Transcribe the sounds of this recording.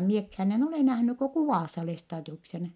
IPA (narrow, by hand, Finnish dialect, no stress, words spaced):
miekhæːn en ole næhnyk ko kuʋɑˑsːɑ lestɑːdiuksen